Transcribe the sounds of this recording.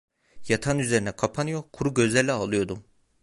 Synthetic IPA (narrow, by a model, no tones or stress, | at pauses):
jat̪ʰanyze̞ɾinɛkʰapʰanɯjo̞kʰuɾuɟø̞zlʲæɾlʲɛalˠɯjo̞d̪um